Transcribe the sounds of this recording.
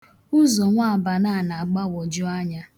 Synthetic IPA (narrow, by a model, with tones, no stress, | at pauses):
ʊ˦zɔ˨ŋʷa˦˨ba˨na˦˨na˨a˨ɡ͡ba˦wɔ˨d͡ʒʊ˦a˦ɲa˦